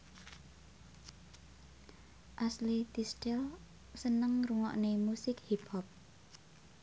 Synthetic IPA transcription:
ʔaslit̪isʈɛl | sənəŋruŋɔ̰ʔnemusɪkhipʰhɔp̚

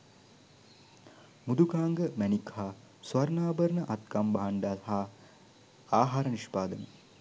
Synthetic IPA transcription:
mud̪ukaːŋɡəmænikhaː | sʋɐɾnaːbəɾnəʔat̪kambaɦaɳɖaːsɦaː | aːɦaːɾəniʃpaːd̪ənḛ

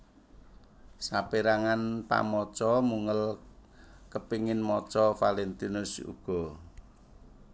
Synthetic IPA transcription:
sapeɾaŋanpa̰mɔt͡ʃɔmuŋəl | kəpiŋɪnmɔt͡ʃɔfalent̪inʊsṵɡ̥ɔ̤

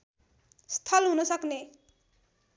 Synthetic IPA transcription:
st̪ʰʌlɦunʌsʌkne

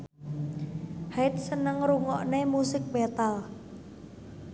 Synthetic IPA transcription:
haɪt̪̚sənəŋɾuŋɔʔnemusɪk̚bet̪al

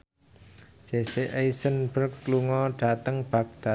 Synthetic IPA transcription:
seseʔejsənbərkːluŋɔɖ̥a̤t̪əŋb̥ä̤k̚d̪̥a

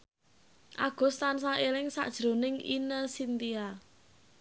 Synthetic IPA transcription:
ʔaɡ̥ɔ̤st̪ansaʔelɪŋsa̰ʔd̥ʒ̥ɾo̤nɪŋḭnəsint̪ia

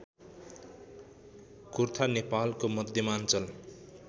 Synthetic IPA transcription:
kurt̪ʰanepalkomʌd̪ʱjʌmant͡sʌl

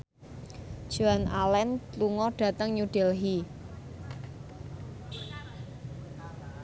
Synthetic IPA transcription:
ʒ̥oanʔalɛnluŋɔɖ̥a̤t̪əŋɲuɖ̥ɛlɦi

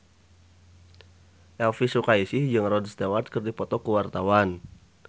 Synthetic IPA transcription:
ʔɛlfisukaisihd͡ʒəŋrɔdst̪ewat̪̚kɨrdipɔt̪ɔkəwart̪awan

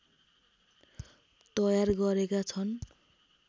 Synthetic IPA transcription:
t̪ʌjarɡʌɾekat͡sʰʌn

